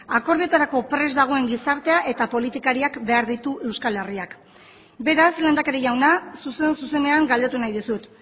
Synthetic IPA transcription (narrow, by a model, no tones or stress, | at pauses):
ako̞ɾðit̪aɾako̞pɾe̞zd̪aɣ̞o̞e̞ŋɡisaɾt̪e̞aʔe̞t̪apo̞lit̪ikaɾiakbe̞aɾðit̪uʔe̞wskale̞riak | be̞ɾasle̞ːnd̪ake̞ɾeʝawnasuse̞nsuse̞ne̞aŋɡald̪e̞t̪unajðisut̪